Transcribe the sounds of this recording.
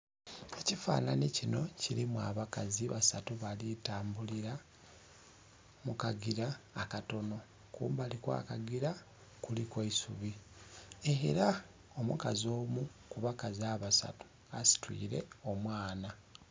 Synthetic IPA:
e̞cifa̰ːnanicino̞ciɾimwa̰βakaziβasatuβalitaːmbuliɾa | mukaɡiɾaːkato̞no̞ | kṵːmbalikwa̰ːkaɡiɾa | kulikweisuβi | eɾa | o̞mṵkazo̞ːmukuβakaziaβasa̰tu̥ | asi̥twḭːɾe̞̰o̞mwaːna

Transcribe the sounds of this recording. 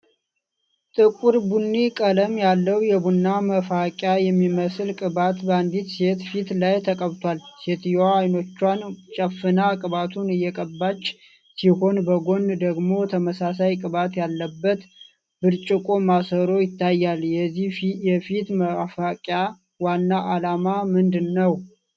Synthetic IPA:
t̪ʼɨkʷʼuɾbunːikʼələmjalːəwjɛbunːaməfakʼjajɛmːiməsɨlkʼɨβat̪bəand̪it̪se̞t̪fit̪lajt̪ʰəkʼəβt̪ʰwalse̞t̪jaːjno̞t͡ʃːwant͡ʃʼəfːɨnakʼɨβat̪ʰunɨjːɛkʼəbːat͡ʃː | siho̞nbəɡo̞nd̪əɡmo̞t̪ʰəməsasajkʼɨβat̪jalːəbːət̪ | b̥ɨɾt͡ʃʼɪkʼomasəɾo̞jɪt̪ʰːajːaljɛijɛfit̪məfakʼja | wanːaʔalamamɨnd̪ɨnːəw

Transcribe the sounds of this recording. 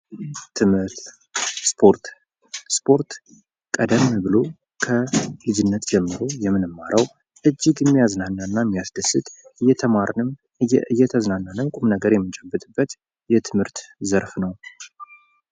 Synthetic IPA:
t̪ʰɨmhɨɾt̪ | spʰoɾt̪ | spʰo̞ɾt̪ | kʼəd̪əmbɨlo̞ | kʰəlɨd͡ʒɪnːət̪d͡ʒɛmːɨɾo̞jɛmːɨnɨmːaɾʔəw | ʔɨd͡ʒːɪɡjɛmːijaznanːanːamːijasd̪əsːɨt̪ʼɨjːɛt̪ʰəmaɾnɨm | ɨjːɛt̪ʰəznanːanɨmkʼumnəɡəɾjɛmːɨt͡ʃʼɛbːɨt̪ʼɨbːət̪ | jɛt̪ʰɨmhɨɾt̪zəɾfnəw

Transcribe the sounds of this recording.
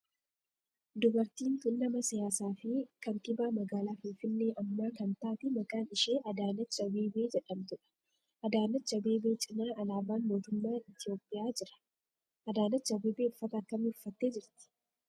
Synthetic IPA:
d̪ʊbɐɾt̪iːnt̪ʊnːɐmɐsɪjaːsaːfɪkɐnt̪ɪbaːmɐɡaːlaːfɪnfɪnːe̞ːʔɐmːaːkɐnt̪aːt̪ɪmɐkʼaːnɪʃe̞ːʔɐd̪aːnɐt͡ʃːɐbe̞ːbe̞ːd͡ʒɛᶑɐmt̪ʊᶑɐ̥ | ʔɐd̪aːnɐt͡ʃːɐbe̞ːbe̞ːt͡ʃʼɪnaːɐlaːbaːnmo̞ːt̪ʊmːaːɪt̪ɪjo̞ːpʼːɪjaːd͡ʒɪɾɐ̥ | ʔɐd̪aːnɐt͡ʃːɐbe̞ːbeːʊfːɐt̪ɐɐkːɐmɪʊfːɐt̪ːe̞ːd͡ʒɪɾt̪ɪ̥

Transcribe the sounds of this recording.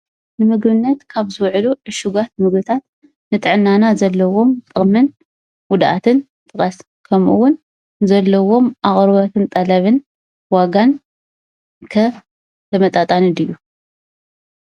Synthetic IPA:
nɨmɨɡbɨnːɐt̪kʰaβzɨwʕluʕɨʃuɡat̪̚mɨɡbɨt̪ʰat̪ | nɨt̪ʼɨʕɨnːanazɐlːɐwo̞mt̪ʼɨχʼmɨn | wʊd̪ʔa̰t̪ʰɨn | t̪ʼɨqʼɐs | kʰɐmʔuwʊn | zɐlːɐwo̞mʔaχʼɾβɐt̪ʰɨnt̪ʼɐlɐβɨn | waɡan | kʰɐ | t̪ʰɐmɐt̪ʼat̪ʼanɨd̪ɨjːu

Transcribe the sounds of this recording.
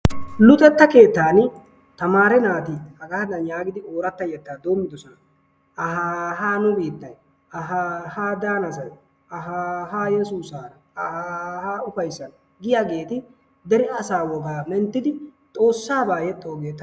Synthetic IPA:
lʊt̪ʼɛt̪ːɐke̞ːt̪ːaːn | t̪ɐmaːɾɛnaːt̪ɪhɐɡɐhɐd̪ɐnjaːɡɪd̪ɪoːɾɐt̪ːɐjɛt̪ːaːd̪o̞ːmːɪd̪ɔsɔnɐ | ɐɦaːɦaːnʊbiːt̪ːɐj | ɐɦaːhaːd̪aːnɐsɐj | ɐɦaːɦaːjɛsuːsaːɾɐ | ɐhaːhaːʊfɐjsːɐnɐ | ɡɪjaːɡe̞ːt̪ɪ | d̪ɛɾɪɐsaːwɔɡaːmɛnt̪ːɪd̪ɪt̪ʼo̞ːsːaːbaːjɛt̪ʼːoːɡe̞ːt̪ːɐ

